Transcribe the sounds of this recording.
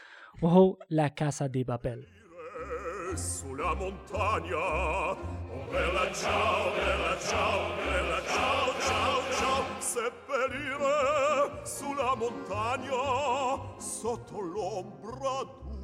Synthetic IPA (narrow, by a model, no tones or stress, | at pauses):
oɦolakasad̪epapɛl | ɾe | sulamont̪ʰaɲa | velat͡ʃaelat͡ʃaelat͡ʃat͡ʃat͡ʃasepːeliːɾe | sulːamont̪aɲa | sɔt̪ʰːolombɾad̪u